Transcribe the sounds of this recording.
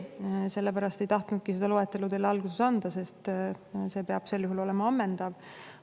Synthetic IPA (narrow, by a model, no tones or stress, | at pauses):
se̞lːepæɾɑst̪e̞jt̪ɑht̪nud̪̥̚kise̞d̪̥ɑloe̞t̪ːˑe̞lut̪e̞lːɑlɡ̥use̞sɑnd̪̥ɑse̞st̪se̞ːpeɑb̥se̞lːjuhulo̞le̞mɑɑmːend̪̥ɑv